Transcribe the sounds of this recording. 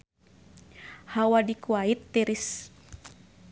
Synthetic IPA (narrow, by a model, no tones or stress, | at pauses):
hawadikuait̪ːɛɾis